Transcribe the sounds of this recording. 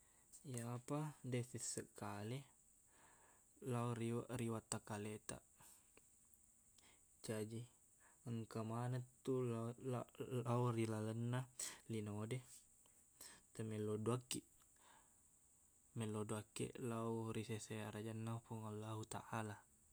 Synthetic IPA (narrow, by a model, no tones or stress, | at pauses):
jaapadesisəkale | lauɾiwaʔɾiwat̪ːakalet̪a̰ʔ | d͡ʒad͡ʒi | əŋkamanat̪ːul | lauɾilaɡənːalinode | t̪əmɛlːoduakːi | mɛlːoduakːḛʔlauɾiseseaɾad͡ʒanːapuŋalːaɦut̪a̰ʔala